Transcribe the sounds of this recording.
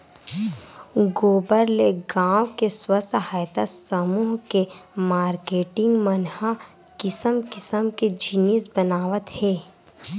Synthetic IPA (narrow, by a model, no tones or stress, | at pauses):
ɡoːbəɾleɡãːwkeswəst̪ʰɦaːjt̪asəmuːɦkemaːɾkeːʈɪ̃ŋɡmənha | kɪsəmkɪsəmked͡ʒɪnisbənaːʋət̪hɛː